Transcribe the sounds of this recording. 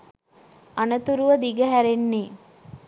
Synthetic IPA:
anət̪uɾuʋəd̪iɡəɦæɾenːeː

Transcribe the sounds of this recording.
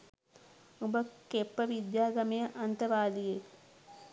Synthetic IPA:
ubɐkepːɐʋid̪jaːɡɐmejɐʔɐnt̪ɐʋaːlije

